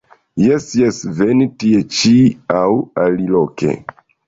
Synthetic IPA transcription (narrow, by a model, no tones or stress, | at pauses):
jɛsjɛsvenitiet͡ʃiawaliloke̞̰